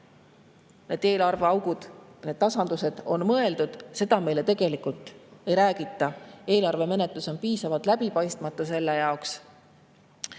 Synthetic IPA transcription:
ne̞d̪̥e̞ːlɑrve̞ɑwɡ̥ud̪̥ne̞d̥̪̚t̪ɑsɑnd̪use̞d̪̥o̞nmɤ̞e̞ld̪ud̪̥se̞d̪̥ɑme̞jle̞t̪e̞ɡ̥e̞likult̪ˑe̞jɾæːɡ̥it̪ːˑɑe̞ːlɑrve̞me̞ne̞t̪luso̞npiːsɑvɑt̪ˑlæbipɑjst̪mɑt̪ːˑuse̞lːejɑoks

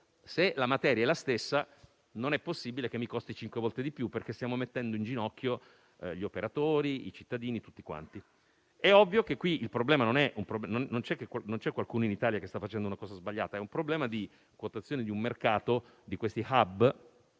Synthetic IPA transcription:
selamat̪ɛːɾjaɛlːast̪esːa | nonɛpːosːibilekemːikost̪it͡ʃiŋkwevɔlt̪ed̪ipjupːerkest̪jaːmomet̪ːɛnd̪oind͡ʒinɔkːjo | ʎiopeɾat̪oːɾiḭt͡ʃit̪ːad̪iːnit̪ut̪ːikwa̰nt̪i | ɛɔvːjokekːwiilpɾoblɛːmanonɛʔumpɾobnonnont͡ʃɛkːekːwanont͡ʃɛkːwalkuːnoinit̪aːljakest̪afːat͡ʃɛnd̪ounakɔːzazbaʎːa̰ːt̪aɛumpɾoblɛːmad̪i | kwot̪at̪sjoːned̪iumːerkaːt̪od̪ikwest̪ihabː

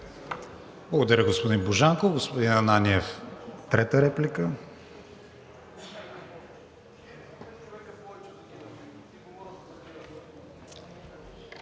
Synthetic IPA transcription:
blˠɐɡod̪ɐɾəɡospod̪inboʒaŋkoɡospod̪inɐnaniɛft̪ɾɛt̪əɾɛplikə

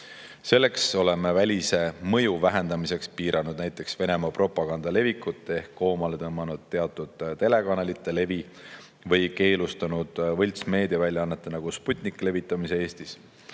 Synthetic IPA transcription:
se̞lːe̞kso̞le̞mevælʲise̞mɤ̞juvæɦe̞nd̪ɑmise̞kspiːɾɑnud̪̥̚næjt̪ːˑe̞ksve̞ne̞mɑpro̞pːˑɑɡ̥ɑnd̪̥ɑle̞vikːˑut̪ːˑeehkːo̞ːmɑle̞t̪ɤmːɑnud̪̥̚t̪eɑt̪ːˑud̪̥t̪e̞le̞kɑnelit̪ːˑe̞le̞vi | vɤ̞jke̞ːlust̪ɑnud̪̥vɤlʲt̪sme̞ːd̪iɑvælʲjɑɑnːet̪ːˑenɑɡ̥usput̪ʲˑnikle̞vit̪ˑːɑmise̞eːst̪is

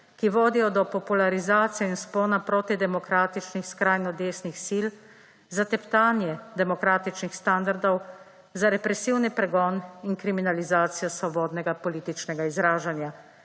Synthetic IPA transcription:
kiʋoːd̪ijɔd̪ɔpɔpulaɾizaːt̪sijɛinspoːnapɾoːt̪id̪ɛmɔkɾaːt̪it͡ʃnixskɾaːjnɔd̪eːsnixsil | zat̪ɛpt̪aːnjɛd̪ɛmɔkɾaːt̪it͡ʃnixst̪and̪aɾd̪ɔw | zaɾɛpɾɛsiːwnipɾɛɡɔːniŋkɾiminalizaːt̪sijɔsʋɔbɔːd̪nɛɡapɔliːt̪it͡ʃnɛɡaizɾaːʒanja

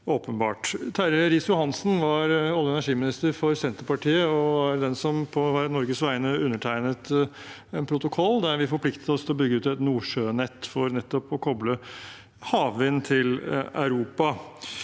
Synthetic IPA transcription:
oːpənbɑːʈt̪ʰæɾəɾɪsjʊhɑnsn̩ʋɑɾɑlːəɛnæʂiːmɪnɪst̪əɾfɔɾsɛnt̪əpɑʈʰiːəɔhɑɾd̪ɛnsɔmpʰɔʋæɾənɔɾɡəsʋæɪnəʉnːəʈʰæɪnət̪ | ɛnpʰɾʊt̪ʊkʰɔlːd̪æɾʋɪfɔɾpʰlɪkt̪ə̥t̪ɔst̪ʰɪlɔbʏɡːəʉːt̪ɛt̪nuːʂøːnɛt̪ːfɔɾnɛt̪ːɔpɔkʰɔblə | hɑːʋʋɪnt̪ʰɪlæ̰ʉɾuːpɑ

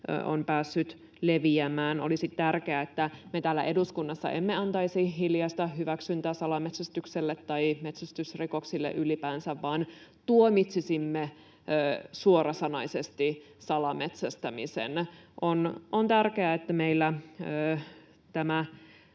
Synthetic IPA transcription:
o̰npæːsːyt̪ | leʋiæmæːnolisit̪t̪ærkeæet̪ːæmet̪æːlːæ̰ʔeduskunːɑsːɑ̰ʔemːeɑnt̪ɑisiɦiljɑst̪ɑɦyʋæksynt̪æːsɑlɑmet̪sæst̪ykselːet̪ːɑimet̪sæst̪ysrikoksilːḛʔylipæːnsæʋʋɑːnt̪uomit̪sisimːeː | suorɑsɑnɑisest̪i | sɑlɑmet̪sæst̪æmisḛnʔonont̪ærkeæet̪ːæmeilːæøː | t̪æmæ

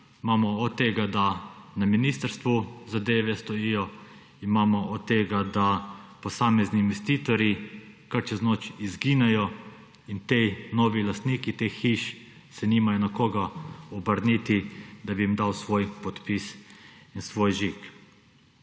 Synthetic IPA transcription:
imaːmɔɔt̪t̪ːeɡad̪anaminiːst̪əɾst̪ʋuzad̪eːʋɛst̪ɔjiːjɔ | imaːmɔʔɔt̪t̪ːeːɡad̪apɔsaːmɛzniːnʋɛst̪iːt̪ɔɾjikaɾt͡ʃɛznoːt͡ʃizɡiːnɛjɔ | int̪ɛnɔːʋilast̪niːkit̪exxiʃ | sɛniːmajɔnɛkoːɡaɔbəɾnit̪id̪abiimd̪awsʋoːjpɔt̪pisinsʋoːjʒik

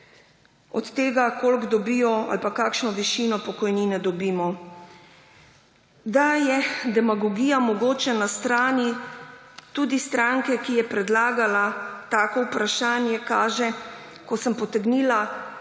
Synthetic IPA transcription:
ɔ̰t̪ːeːɡakolɡd̪ɔbiːjɔa̰lpakaːkʃnɔʋiʃiːnɔpɔkɔjniːnɛd̪ɔbiːmɔ | d̪ajɛd̪ɛmaɡɔɡijamɔɡoːt͡ʃɛnast̪ɾaːnji | t̪ud̪ist̪ɾaŋkɛkijɛpɾɛd̪laːɡalat̪aːkɔwpɾaʃaːnjɛkaːʒɛ | kɔsəmpɔt̪ɛɡniːla

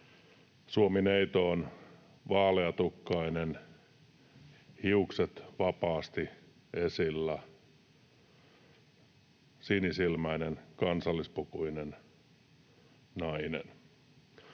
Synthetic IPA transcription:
suomineit̪oːn | ʋɑːleɑt̪ukːɑinen | hiukset̪ʋɑpɑːst̪i | esilːæ | sinisilmæinenkɑnsɑlːispukuinen | nɑinḛn

